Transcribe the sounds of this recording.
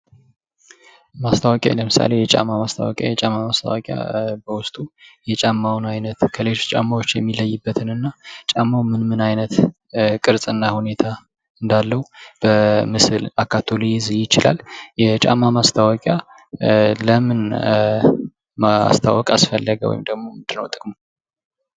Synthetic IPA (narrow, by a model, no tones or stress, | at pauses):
mast̪ʰawɔkʼja̰ləmɨsa̰le̞jɛt͡ʃʼa̰mːamast̪ʰa̰wɔ̰kʼja̰jɛt͡ʃʼamːamast̪ʰa̰wɔkʼja̰bəwʊst̪ʼujɛt͡ʃʼamːawnajnət̪kʰəlet͡ʃʼamːawot͡ʃːjɛmːiləjːɪbːət̪ʰɨnɨnːat͡ʃʼamːawmɨnmɨnajnət̪ | kʼɨɾsʼɨnːahune̞t̪ʰa | ɨnd̪alːəhub̥əmɨsɨlakʰːat̪ʰo̞lijɪzɨjɪt͡ʃɪla̰ljɛt͡ʃʼa̰mːamast̪ʰawɔkʼja | ləmɨn | ma̰st̪ʰa̰wɔkʼasfəlːəɡəwɔ̰jmd̪əɡmo̞ɨnd̪ɨnə̰wt̪ʼɨkʼm